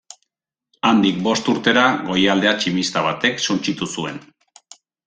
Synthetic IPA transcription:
and̪ik̚bo̞st̪uɾt̪e̞ɾaɣo̞jald̪e̞at͡ʃimist̪aβ̞at̪e̞ksunt͡ʃit̪usue̞n

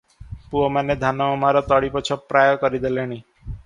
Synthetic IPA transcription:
puomaned̪ʱanɔɔmaɾɔt̪ɔɽipɔt͡ʃʰɔpːɾajɔkɔɾid̪eleɽ̃i

